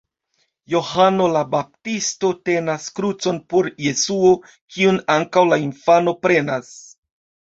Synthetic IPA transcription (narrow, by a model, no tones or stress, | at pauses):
jo̞hano̞labap̚tisto̞te̞naskɾut͡so̞npoɾje̞suo̞ | kiunaŋkawlainfano̞pɾe̞nas